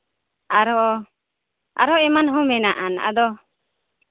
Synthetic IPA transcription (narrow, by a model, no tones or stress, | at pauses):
aɾɔ | a̰ɾɔɛmanɦɔ̃mɛnaʔana̰d̪ɔ